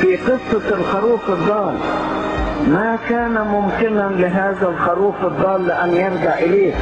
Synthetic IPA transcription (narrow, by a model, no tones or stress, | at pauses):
fiːqɨsˤːɑlxɑɾuːfɨd̪ˤːɑːl | makaːnamʊmkɪnalɪɦaːðalxɑɾuːfɨd̪ˤːɑːlːɪʔanːjɑɾˤɡaʕʔɪleːk